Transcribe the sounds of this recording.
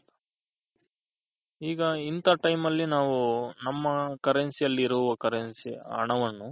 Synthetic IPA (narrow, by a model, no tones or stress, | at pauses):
iːɡɐint̪ɐʈɐjmɐlːinaːʋunɐmːɐkɐɾensijɐlːɾuʋɐkɐɾensia̰ːɳɐʋɐnːu